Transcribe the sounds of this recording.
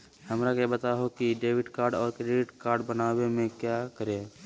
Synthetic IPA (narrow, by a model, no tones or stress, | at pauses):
həmɾakebət̪aɦokiɖeːwɪɖkaːɾɖɔːɾkɾeːɖɪʈkaːɾɖbənaːwemẽkjakəɾe